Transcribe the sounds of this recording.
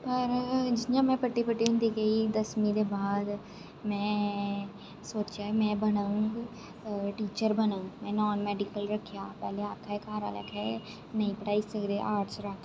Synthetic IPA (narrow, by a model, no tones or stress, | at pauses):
pəɾd͡ʒɪjãːmɛ̃ːpəʈːipəʈːiɦʊ̃nd̪iɡəiːd̪əsmĩd̪eːbaːd̪ | mɛ̃ː | soːt͡ʃjaːmɛ̃ːbənəŋɡ | ʈiːt͡ʃəɾbənə̃ŋɡmɛ̃ːnɔːnmɛːɖɪkəlɾəkʰːjaːpɛːleaːpkʰaekaːɾa̰ːlə̰kʰɦɛː | nɐĩpəʈaːisəkd̪eʔaːɾt͡ʃɾak